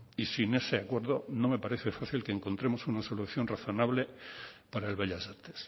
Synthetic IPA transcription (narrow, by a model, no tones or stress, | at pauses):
isine̞se̞akwe̞ɾðo̞no̞me̞paɾe̞θe̞faθilkeːŋko̞nt̪ɾe̞mo̞sunaso̞luθjo̞nraθo̞naβle̞paɾaelβeʎasaɾt̪e̥s